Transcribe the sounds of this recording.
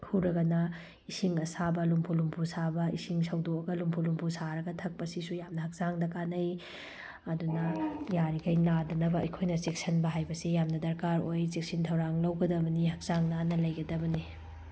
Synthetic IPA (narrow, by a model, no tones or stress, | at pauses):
huɾɐɡɐnɐ | isiŋɐsabɐlumpʰulumpʰusabɐḭsiŋsɐwdoɐɡɐlumpʰulumpʰusaɾɐɡɐtʰɐk̚pɐsisujamnɐɦɐk̚zaŋdɐkanɐj | ɐdunɐjaɾikɐjnadɐnɐbɐɐ̰jkʰojnɐt͡ʃek̚sʰɐnbɐɦajbɐsijamnɐdɐɾkaɾojt͡ʃek̚sintʰɐwɾaŋlɐwɡɐdɐbɐnihɐk̚zaŋnanɐlɐjɡɐdɐbɐni